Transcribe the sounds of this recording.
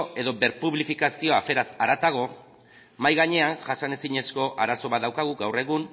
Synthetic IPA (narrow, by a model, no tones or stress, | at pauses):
e̞ðo̞be̞ɾpuβlifikasio̞afe̞ɾasaɾat̪aɣ̞o̞ | majɣaɲe̞anʝasane̞siɲe̞sko̞ʔaɾaso̞βat̪ðawkaɣ̞uɡawre̞ɣ̞un